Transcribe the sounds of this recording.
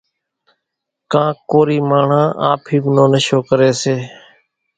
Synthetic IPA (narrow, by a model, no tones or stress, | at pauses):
kãːkoːɾiːmaːɳ̤ãːʔa̰ːpʰiːbnõːnəʃoːkəɾeːseː